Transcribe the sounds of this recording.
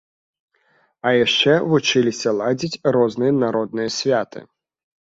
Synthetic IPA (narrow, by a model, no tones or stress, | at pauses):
ɐjaʂt͡ʂɛvut͡ʂɨlʲisʲɐlˠad͡zʲit͡sʲɾɔznɨjɐnaɾɔd̪̚nɨjɐsʲvʲat̪ɨ̰